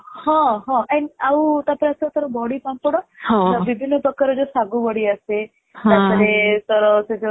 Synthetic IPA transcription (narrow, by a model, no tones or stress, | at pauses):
hɔ̃ɦɔ̃anawt̪apɔɾeast̪ɔɾɔbɔɽipampɔɽɔɔbibʱinːɔpɔkːaɾɔd͡ʒosaɡubɔɽiase | t̪apɔɾet̪ɔɾɔsed͡ʒo